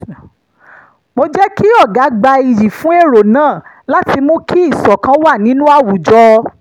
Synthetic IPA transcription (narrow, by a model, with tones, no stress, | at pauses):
mo˧d͡ʒɛ˦ki˦ɔ˦˨ɡa˨˦ɡ͡ba˧i˨ji˨fũ˦e˦˨ɾo˨nãː˦˨ | la˦ti˧mõ˦ki˦i˦˨sɔ˨kã˧˦wa˦˨nĩ˨˦nũ˦a˦˨wu˨d͡ʒɔ˧˦